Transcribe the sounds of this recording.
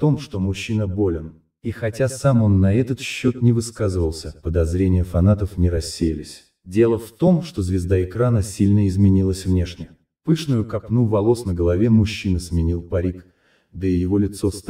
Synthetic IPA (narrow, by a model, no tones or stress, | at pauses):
ft̪o̞mʂt̪o̞mʊɕːinəbo̞lʲɪn | ixɐtʲasamo̞nːɐɛt̪ət̪ɕːo̞t̪nʲɪvɨskazɨvəlˠsʲəpəd̪ɐzɾʲenʲɪjəfɐnat̪əfnʲɪɾɐsʲːejɪlʲɪsʲ | dʲe̞lˠəft̪o̞mʂt̪ozvʲɪzd̪aɪkɾanəsʲilʲnəɪzmʲɪnʲilˠəsʲvnʲe̞ʂnʲɪə | pɨʂnʊjʊkɐpnuvɐlˠo̞snəɡəlˠɐvʲe̞mʊɕːinəsmʲɪnʲilˠpɐɾʲik | d̪əɪjɪvo̞lʲɪt̪so̞st̪